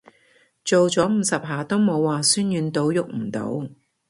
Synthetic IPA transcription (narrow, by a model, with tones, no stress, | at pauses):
t͡ʃo˨wt͡sɔː˨˥m̩ː˨˧sɐ˨p̚ɦaː˨˩t̪o˥wmo˨˧wːaː˨syː˥njyː˨˧nt̪o˨˥wjʊ˨k̚m̩˨˩t̪o̰˨˥w